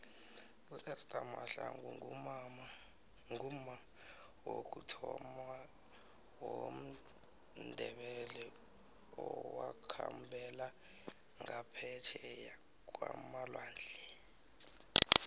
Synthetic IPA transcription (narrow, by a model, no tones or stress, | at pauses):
usɛstʼamaɬaŋuŋu | ŋum̩ma | wok̬ʼutʰɔma | wom̩ | ndʱɛɓɛlɛ | ɔwakʰambʰʱɛla | ŋapʰɛtʰɛja | k̬ʼwa̰malwaːnd͡ɮʱi